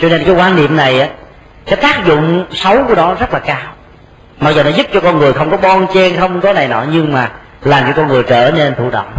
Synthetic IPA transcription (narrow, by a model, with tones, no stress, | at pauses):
t͡ɕɔ˧ne˧nkaː˨˦jkwaː˧nnḭ˨əmna˨˩jʔaː˨˦ | sɛ˨˥t̪aː˦˥k̚zʊ̰˧˨ŋ͡msə˨˦wku˧˩ənɔ˨˦zə˦˥t̚laː˨˩kaː˧w | ma˨˩k̚zo˨˩nɔ˨˦zu˦˥p̚t͡ɕɔ˧kɔ˧nŋɨ˨˩əjxə˧wŋ͡mkɔ˨˦ɓɔ˧nt͡ɕɛ˧nxə˧wŋ͡mkɔ˨˦na˨˩jnɔ̰˧˨˩ɲɨ˧ŋmaː˨˩ | laː˨˩mt͡ɕɔ˧kɔ˧nŋɨ˨˩əjt͡ɕəː˧˩ne˧nt̪ʰṵ˧˩ɗə̰˧˨wŋ͡m